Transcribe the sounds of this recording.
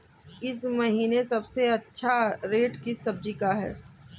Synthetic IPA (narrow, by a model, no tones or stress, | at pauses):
ɪsmɐɦiːnesɐbseɐtːʃʰaɾeːʈkisɐb̚d͡ʒikaɦɛ̰ː